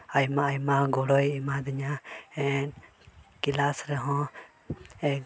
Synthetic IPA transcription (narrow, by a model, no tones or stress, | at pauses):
ajmaːjmaɡɔɽɔjimad̪iɲaɛn | kilasɾɛɦɔ̃ | ɛk